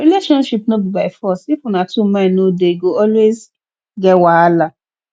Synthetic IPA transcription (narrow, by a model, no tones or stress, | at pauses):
ɾileʃɔ̃nʃipnɔ̃bibaɪfɔstifũnãtumãnõdeiɡoɔlwez | ɡɛwaːla